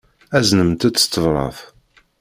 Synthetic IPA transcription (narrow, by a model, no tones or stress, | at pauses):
æznəmt̪æt͡sːə̥st̪ːəvɾˤɑ̰θ